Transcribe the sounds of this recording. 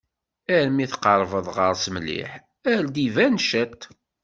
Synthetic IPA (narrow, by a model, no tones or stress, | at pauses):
æɾmiθqəɾˤvəðˤʁəɾˤsəmlːḭħ | æɾd̪ivænʃət̪